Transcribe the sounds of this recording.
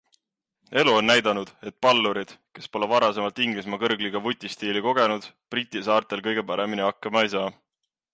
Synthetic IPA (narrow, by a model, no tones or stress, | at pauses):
e̞luo̞nːæjd̪ɑnud̪̥e̞t̪̚ˑpɑlːuɾid̪̥ke̞spo̞levɑɾɑse̞mɑlt̪ˑiŋɡ̥lis̬mɑkɤrɡ̥liɡ̥ɑvut̪ʲːˑist̪iːliko̞ɡ̥e̞nud̪̥prit̪ʲːˑisɑːrt̪ˑe̞lkɤ̞jɡ̥e̞pɑɾe̞miniɑkːˑɑmɑejsɑː